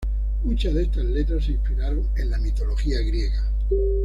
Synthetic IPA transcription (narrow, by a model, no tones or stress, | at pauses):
mut͡ʃazðe̞st̪azle̞t̪ɾasːĩspiɾaɾo̞ŋe̞nlamit̪o̞lo̞xiaɣɾje̞ɣa